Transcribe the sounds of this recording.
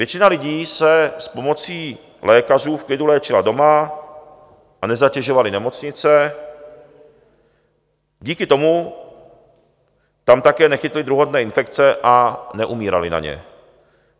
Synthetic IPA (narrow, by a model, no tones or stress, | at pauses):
vjɛt͡ʃɪnalɪɟiːsɛspomot͡siː | lɛːkar̝uːfklɪd̪ulɛːt͡ʃɪla̰d̪oma | ʔanɛzacɛʒovalɪnɛmot͡sɲɪt͡sɛ | ɟiːkɪt̪omu | t̪amt̪akɛːnɛxɪt̪lɪd̪ɾuɦod̪nɛːɪnfɛkt͡sɛʔanɛʔumiːɾa̰lḭna̰ɲɛ̰